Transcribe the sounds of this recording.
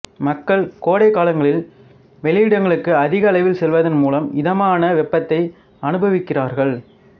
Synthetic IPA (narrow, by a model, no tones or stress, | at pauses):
mɐkːɐɭkoːɽɐɪkaːlɐŋɡɐɭɪl | ʋɛlɪjɪɽɐŋɡɐɭɯkːɯɐðɪɣɐlɐɪʋɪlsɛlʋɐðɐnmuːlɐmɪðɐmaːnɐʋɛpːɐt̪ːɐɪ | ɐnɯbɐʋɪkːɪraːɾɣɐɭ